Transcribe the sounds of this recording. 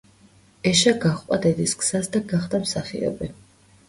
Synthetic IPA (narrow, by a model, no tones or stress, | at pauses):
ɛʃaɡaχqʼad̪ɛd̪iskz̥asd̪aɡaχd̪amsaχḭɔ̰bi